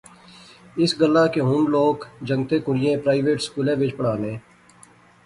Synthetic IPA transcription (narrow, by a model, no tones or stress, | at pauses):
ɪsɡəlːaːkeɦʊnloːkd͡ʒə̃ŋɡt̪eːkʊɽɪjẽːpɾaːɪʋeːʈskuːlẽːʋɪt͡ʃpəɽaːnẽː